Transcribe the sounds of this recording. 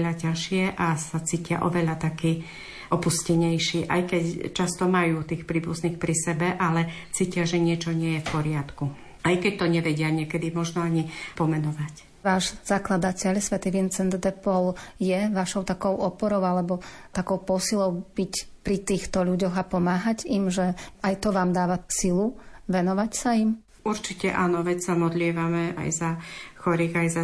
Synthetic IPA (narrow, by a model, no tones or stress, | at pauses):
ʎacaʃɪɛʔasat͡siːcɪa̰ʔɔʋɛʎat̪akiː | ʔɔpuscɛɲɛjʃiːʔa̰jkɛct͡ʃast̪ɔmajuːt̪iːxpɾiːbuzniːxpɾisɛbɛʔalɛt͡siːcɪaʒɛɲɪɛt͡ʃɔɲɪɛjɛfpɔɾɪat̪ku | ajkɛc̚t̪ɔɲɛʋɛɟɪaɲɪɛkɛd̪imɔʒnɔaɲipɔmɛnɔʋac | ʋaːʒz̥aklad̪acɛʎsʋɛt̪iʋint͡sɛnd̪d̪ɛpɔljɛʋaʃɔʊt̪akɔʊɔpɔɾɔʊalɛbɔt̪akɔʊpɔsilɔʊb̥icpɾit̪iːxt̪ɔʎuɟɔɣapɔmaːɦaɟimʒɛajt̪ɔʋaːmd̪aːʋasiluʋɛnɔʋacsaim | uɾt͡ʃicɛ̰ʔaːnɔʋɛt͡ssamɔd̪lɪɛʋamɛa̰jzaxɔɾiːɣajza